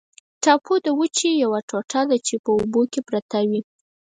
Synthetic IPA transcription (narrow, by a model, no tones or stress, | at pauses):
ʈɑpʰod̪əwət͡ʃijawaʈoʈad̪at͡ʃepəobokepɾat̪awi